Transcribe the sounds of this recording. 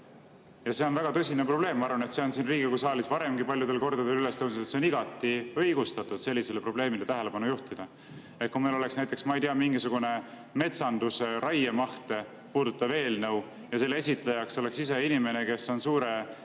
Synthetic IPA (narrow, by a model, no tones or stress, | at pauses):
jɑse̞o̞nvæɡ̥ɑt̪ɤsʲinepro̞ble̞ːmːɑɑɾvɑne̞t̪se̞o̞nsinriːɡ̥ikusɑːlisvɑɾe̞mɡipɑljud̪e̞lko̞rd̪̥ɑd̪elyle̞st̪ow̪set̪seniɡɑt̪ːˑiɤjɡ̥ust̪ɑt̪ːˑud̪̥se̞lːise̞lepro̞ble̞ːmilet̪æɦelepɑnujuht̪id̪̥ɑ | et̪̚kumelo̞le̞ksnæjt̪ˑːeksmɑejt̪iɑmiŋɡisuɡ̥une̞ | me̞t̪sɑnd̪usɾɑjemɑht̪e̞ | puːd̪ut̪ːˑɑve̞ːlnɤw | jɑse̞lːee̞sit̪ˑlejɑkso̞le̞ksise̞inime̞ne̞ke̞sːo̞nsuːɾe̞